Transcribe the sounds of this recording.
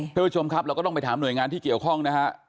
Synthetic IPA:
a˥˩pu˦˥t͡ɕʰo˧mkʰa˦˥p̚ɾaː˧wkɔː˥˩t̪pa˧jt̪ʰaː˩˦mnu˨˩jŋaː˧nt̪ʰiː˥˩ki˨˩əwkʰɔ˥˩ŋna˦˥kʰa˦˥ʔ

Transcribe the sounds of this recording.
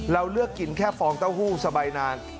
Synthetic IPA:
ɾa˧wlɯ˥˩əkːi˨˩nkʰɛː˥˩fɔː˧ŋt̪a˥˩whuː˥˩sa˧baː˧jnaː˧n

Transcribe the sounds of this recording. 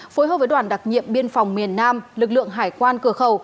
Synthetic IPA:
fo˨˦jɦəː˧˩p̚əː˨˦jɗwaː˧˩nɗa˨˩t̚ŋḭ˧˨əmɓi˧ənfa˨˩wŋ͡mmi˨˩ənːaː˧mlɨ˨˩k̚lɨ̰˧˨əŋɦaː˧˩jkwaː˧nkɨ˧˩əxə˨˧˩w

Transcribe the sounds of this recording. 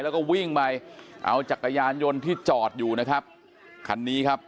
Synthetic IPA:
lɛ˦˥kɔː˥˩wi˥˩ŋma˧jʔa̰˧wt͡ɕa˨˩kʰːa˧jaː˧njo˧nt̪ʰiː˥˩t͡ɕɔː˨˩t̪̚juː˨˩na˦˥kʰa˦˥p̚ | kʰa˧nːiː˦˥kʰa˦˥p̚

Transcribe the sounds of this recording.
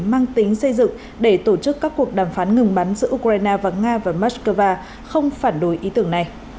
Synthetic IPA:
maː˧ŋt̪ï˨˦ŋsə˧jzɨ̰˧˨ŋ | ɗe˧˩t̪o˧˩t͡ɕɨ˦˥kːaː˦˥kːu˨˩ək̚ɗaː˧˩mfaː˨˦nŋɨ˨˧˩ŋɓa˨˦nzɨ̰˧˥ʔu˧kaː˧jnaː˧vaː˨˩ŋaː˧vaː˨˩maː˦˥skəː˧vaː˧ | xə˧wŋ͡mfaː˧˩nɗo˨˦jʔi˨˦t̪ɨ˧˩əŋna˨˩j

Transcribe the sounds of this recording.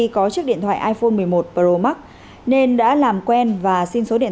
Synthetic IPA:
i˧kɔ˨˦t͡ɕɨ˦˥ək̚ɗḭ˧ənt̪ʰw̰a̰ː˧˨ʔaː˧jfo˧nmɨ˨˩əjmo˨˩t̚pəː˧˩ɾo˧ma˦˥k̚ | ne˧nɗa̰ː˧˥laː˨˩mkwɛ˧nvaː˨˩si˧nso˨˦ɗḭ˧˨

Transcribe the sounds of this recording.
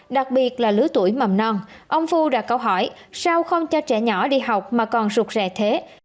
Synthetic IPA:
ɗa˨˩k̚ɓi˨˩ət̚laː˨˩lɨ˨˦t̪u˧˩əjma˨˩mnɔ˧nʔə˧wŋ͡mfu˧ɗa̰ː˧˥kə˧wɦɔ˧˩j | saː˧wxə˧wŋ͡mt͡ɕɔ˧t͡ɕɛ̰˧˩ɲɔ˧˩ɗi˧ɦa˨˩wk͡p̚maː˨˩kɔ˨˩nzu˨˩k̚zɛ˨˩t̪ʰe˨˦

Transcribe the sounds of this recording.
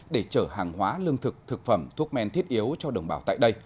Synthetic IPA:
ɗe˧˩t͡ɕəː˧˩haː˨˩ŋɦwaː˨˦lɨ˧əŋt̪ʰɨ˨˩k̚t̪ʰɨ˨˩k̚fə˧˩mt̪ʰu˦˥ək̚mɛ˧nt̪ʰi˦˥ət̚ʔi˨˦əwt͡ɕɔ˧ɗə˧˩wŋ͡mɓaː˧˩wt̪a̰ː˧˨jɗə˧j

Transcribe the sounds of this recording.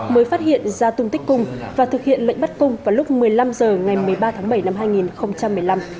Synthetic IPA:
məː˨˦jfaː˦˥t̚hḭ˧˨ənzaː˧t̪ʊ˧ŋ͡mt̪ï˦˥k̟̚ʲkʊ˧ŋ͡mvaː˨˩t̪ʰɨ˨˩k̚hḭ˧˨ənlə̰˧˨ŋ̟ɓa˦˥t̚kʊ˧ŋ͡mvaː˨˩lʊ˦˥k͡p̚mɨ˨˩əjla˧mzəː˨˩ŋa˨˩jmɨ˨˩əjɓaː˧t̪ʰaː˨˦ŋɓə˧˩jna˧mɦaː˧jŋi˨˩nxə˧wŋ͡mt͡ɕa˧mːɨ˨˩əjla˧m

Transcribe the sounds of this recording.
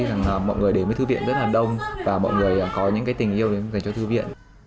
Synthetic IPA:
za˨˩ŋʔːmɔ̰˧˨jŋ˨˩əjɗe˨˧˩məː˨˦jt̪ɨ˧vḭ˧˨ənzə˦˥t̚laː˨˩ɗə˧wŋ͡mvaː˨˩mɔ̰˧˨jŋɨ˨˩əjʔaː˨˩kɔ˨˦ɲɨ̰˧˥ŋkaː˨˦jt̪i˨˩ŋ̟ʔi˧əwɗe˨˦˧za˨˩ŋt͡ɕɔ˧t̪ʰɨ˧vḭ˧˨ən

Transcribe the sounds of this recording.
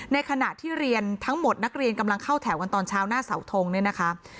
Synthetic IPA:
na˧jkʰa˧na̰˨˩t̪ʰiː˥˩ɾi˧ənt̪ʰa˦˥ŋmo˨˩t̪̚na˦˥k̚ɾi˧ənka˧mla˧ŋkʰa˥˩wt̪ʰɛː˩˦wka˧nt̪ɔː˧nt͡ɕʰaː˦˥wnaː˥˩sa̰˩˦wt̪ʰoː˧ŋnɯ˦˥ɐna˦˥kʰa˦˥

